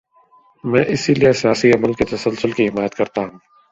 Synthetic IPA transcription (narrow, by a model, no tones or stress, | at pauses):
mɛ̃ːʔɪsiliesɪjaːsiɐməlket̪ɐsəlsʊlkiɦɪmaːjət̪kɐɾt̪aɦũː